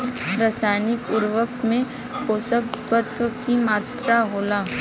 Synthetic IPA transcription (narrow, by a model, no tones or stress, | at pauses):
ɾasajnɪkʊɾʋəkt̪mẽ | koːsəkt̪ət̪əkimaːt̪ɾaɦoːlaː